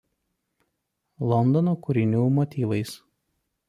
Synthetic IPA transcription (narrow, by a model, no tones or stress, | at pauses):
lˠɔnd̪ɔnoːkʊɾʲɪnʲuːmɔt̪ʲiːʋɐɪs